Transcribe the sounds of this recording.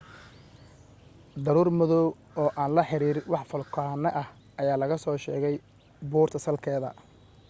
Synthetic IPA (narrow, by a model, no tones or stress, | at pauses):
d̪ɐɾuːrmʊðɔw | ɔːʔaːnlɐħɪɾiːɾwɑħfɔlkʰaːnːɐʔɐh | ɐjaːlɐɣɐsɔːʃɛːɣɛj | buːrt̪ʰɐsɐlkʰɛːðɐ̰